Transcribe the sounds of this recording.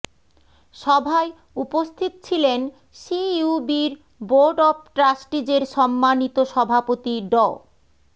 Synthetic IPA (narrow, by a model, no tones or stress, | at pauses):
ʃɔbʱae | upost̪ʰit̪t͡ɕʰilen | ʃiubiɾ | boɾɖɔp̚ʈɾasʈid͡ʑeɾʃɔmːanit̪oʃɔbʱapot̪iɖɔ